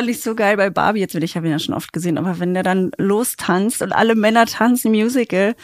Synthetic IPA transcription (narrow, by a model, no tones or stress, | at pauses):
antɪçz̥oːɡaɪlbaɪba̰ːbijɛt͡sbɪnɪçhaːbəinjaʃoːnʔɔ̰ft̚ɡ̥əzeːnʔa̰ːbɐvɛndeːɐdanloːstʰanstʊntʔa̰ləmɛnɐtʰansn̩mjuːzɪkl̩